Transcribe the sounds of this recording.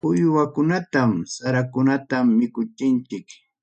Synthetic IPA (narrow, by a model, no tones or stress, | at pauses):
ʊjwakʊnat̪amsaɾakʊnat̪amːɪkʊt͡ʃɪnt͡ʃɪk